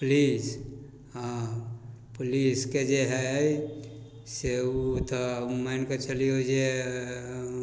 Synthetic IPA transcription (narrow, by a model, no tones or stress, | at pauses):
plis | ɦã | pʊlisked͡ʒeɦɛ | set̪ʰmaɪnkat͡ʃəliɦod͡ʒe